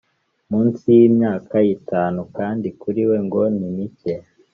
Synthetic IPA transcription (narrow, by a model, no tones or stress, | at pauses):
muːnsijimɲaːkajitaːnukaːndikuɾiwe̞ŋɡo̞nimice